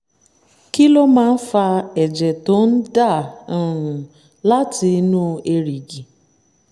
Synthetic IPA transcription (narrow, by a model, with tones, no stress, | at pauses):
ki˦lo˦mã˦n̩˦fa˧ɛ˨d͡ʒɛ˨to˨˦n̩˦da˦˨˦ɾ̩˨ | la˦tʰi˧˦nũ˦e˦ɾi˨ɡi˨